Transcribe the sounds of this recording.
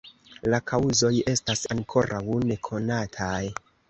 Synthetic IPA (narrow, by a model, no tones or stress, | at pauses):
lakʰauzo̞je̞stasaŋkʰo̞ɾʔawne̞kʰo̞natʰaj